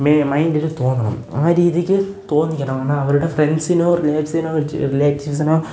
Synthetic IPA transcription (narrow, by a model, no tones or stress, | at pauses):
memɐjndiɾut̪o̞ːnːɐɳɐ̰maːɾiːðjɐkʲːɨ | t̪o̞ːnːikʲːɐɳɐmaːɳːaɐʋɐɾuɽe̞frensinoːrilaːʈisinoːrileːʈːiʋs̬ɐnoː